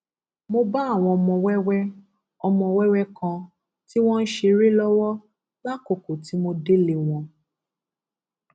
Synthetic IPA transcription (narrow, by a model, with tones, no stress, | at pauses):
mo˧ba˦˨w̃ɔ̃˧ɔ˧mɔ̃˧wɛ˦wɛ˦ | ɔ˧mɔ̃˧wɛ˦wɛ˦kã˧ | ti˦w̃ɔ̃˦n̩˦ʃe˧ɾe˦lɔ˦wɔ˦ | la˦ko˨ko˨ti˨˦mo˧de˦le˨w̃ɔ̃˧